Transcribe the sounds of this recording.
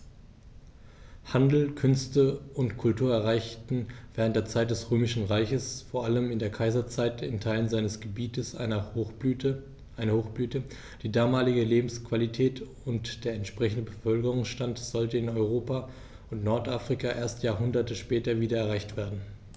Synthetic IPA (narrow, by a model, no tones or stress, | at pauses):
handl̩kʰʏnstəʊntkʰʊltuːɐɛɐʁ̞aɪçtn̩v̥ɛːʁ̞əntd̥eːɐt͡saɪt̚d̥ɛsʁøːmɪʃn̩ʁaɪçəsfoːɐʔaləmɪndeːɐkʰaɪzɐt͡saɪtɪntʰaɪlənzaɪnəsɡ̥əbiːtəsɐ | ʔaɪnɐhoːxb̥lyːtə | d̥iːdaːmaːlɪɡəleːbm̩skv̥alitʰɛːt | ʊntd̥eːɐɛntʃpʁ̥ɛçn̩dəbəfœlkəʁ̞ʊŋsʃtantz̥ɔltəɪnɔʏʁ̞oːpa | ʊntnɔɐtʔafʁ̥ɪkaʔeːɐstjaːɐɦʊndɐtəʃpɛːtɐviːdɐɛɐʁ̞aɪçtv̥eːɐdn̩